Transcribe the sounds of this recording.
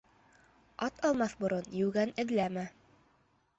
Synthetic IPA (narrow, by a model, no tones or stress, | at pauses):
ɑt̪ʰɑlˠmɑθbŏɾonjʉɡænɘ̆ðlæmæ